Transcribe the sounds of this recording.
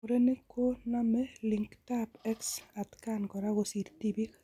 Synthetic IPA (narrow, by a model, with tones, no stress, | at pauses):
oɾe˦ne˦kʰo˦na˦mɛ˦liŋktapɛ˦ksa˨tka˦nkɔ˨ɾa˦ɣo˨si˨ɾtibi˦k